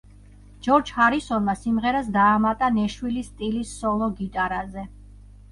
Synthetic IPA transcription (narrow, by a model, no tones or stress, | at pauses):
d͡ʒ̥ɔɾd͡ʒhaɾisɔnmasimʁɛɾas̬d̪aːmat̪ʼanɛʃwilist̪ʼilisːɔlˠɔɡit̪ʼaɾazɛ